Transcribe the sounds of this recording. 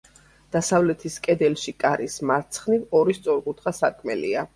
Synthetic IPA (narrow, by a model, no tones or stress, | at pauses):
d̪̥asavlɛt̪ʰiskʼɛd̪ɛlʃikʼaɾismaɾt̪sʰχnivɔɾist̪sʼɔɾqʼut̪ʰχasaɾkʰmɛlḭa